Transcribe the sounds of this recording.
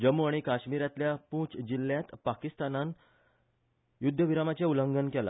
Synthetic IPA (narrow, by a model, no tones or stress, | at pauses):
d͡ʑəmuaɽ̃ikaɕmiɾat̪ljapũːt͡sd͡ʑilːjat̪pakist̪anan | jud̪ʱːəʋiɾamat͡ɕjauləŋɡənkɛla̰